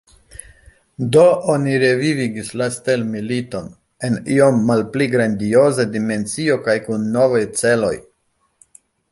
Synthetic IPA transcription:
do̞ʔoniɾe̞viviɡislastelmilito̞n | e̞nio̞mːalpliɡɾandio̞zadime̞nt͡sio̞kajkunːo̞vajt͡se̞lo̞̰j

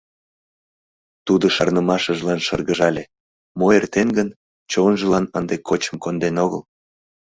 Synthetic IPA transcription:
t̪ud̪əʃɑrnəmɑʃəʒlɑnʃərɣəʒɑlʲe | moert̪enɡən | t͡ɕonʒəlɑnənd̪ekʰot͡ɕə̥mkond̪enoɣə̰l

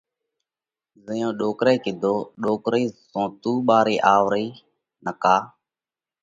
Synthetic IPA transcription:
zɪjõːɗoːkɾeːkɪd̪ʱoːɗoːkɾiːzõːt̪uːɓaːɾiːʔaːʋɾiː | nəkaː

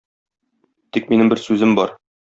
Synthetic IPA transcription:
t̪ik̚minɘmbɘɾsʉzɘmbɒɾ

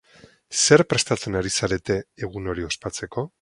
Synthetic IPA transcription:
se̞ɾpɾe̞st̪at͡se̞naɾisaɾe̞t̪e̞ːɣ̞uno̞ɾio̞spat͡se̞ko̞

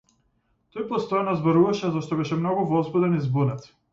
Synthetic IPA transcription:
t̪ɔjpɔst̪ɔjanɔzbɔɾuvaʃɛzaʃt̪ɔbɛʃɛmnɔɡuvɔzbɛd̪ɛnizbunɛt̪s

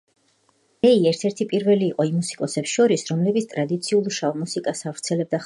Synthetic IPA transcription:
ɛiɛɾt̪ʰɛɾt̪ʰipʼiɾvɛliːqʼɔimusi̥kʼɔsɛpsʃɔɾisɾɔmlɛbit̪st̪ʼɾad̪it̪sʰiulˠʃavmusikʼasavɾt̪sʰɛlɛb̚d̪a

